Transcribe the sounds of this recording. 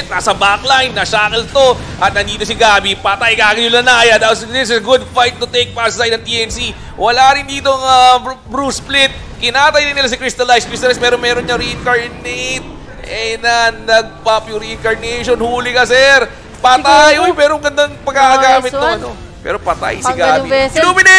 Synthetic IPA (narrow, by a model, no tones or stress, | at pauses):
t̪̚naːsɐbaklajnːɐʃaːkɛlt̪o̞ | ʔɐt̪̚nɐnd̪iːt̪osɪɡaːbɪpat̪ajɡaːɡɪjʊlɐnaːjɐd̪alsd̪ɪs̬ɪsɡʊd̪̚fajt̪̚ːʊt̪ejk̚pasajd̪ɐŋt̪iʔɛnsi | wɐlaːɾɪnd̪iːt̪o̞ɐŋabɾusplɪt̪̚ | kɪnaːt̪ɐjɾɪnɪlasɐkɾist̪ɐlajskist̪ɐlasmɛːɾomɛːɾonɲɐɾiɪŋkɐɹnejt̪̚ | ʔɛnɐnɐɡ̚papjʊɾiɪŋkɐɹnɛjʃonhuːlɪkɐsɛɾ | pɐt̪ajojpɛːɾomɡɐnd̪aŋpɐɡaʔɐɡaːmɪt̪̚ːoɐn | pɛ̰ːɾo̞pɐt̪a̰jsɪɡaːiluːmɪnɪ